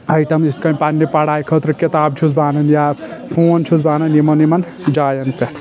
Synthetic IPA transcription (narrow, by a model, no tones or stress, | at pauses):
ɐjʈɐmist̪̚kɐnʲpanʲːipaɽaːjkʰət̪ɾɨket̪aːb̚t͡ʃʰusbaːnɐnjapʰoːnt͡ʃʰusbaːnɐnimɐnimɐn | d͡ʒaːjɐnpeʈʰ